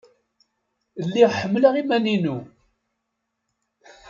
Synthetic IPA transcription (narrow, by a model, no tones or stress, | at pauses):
lːiʁħəmːləʁimæninu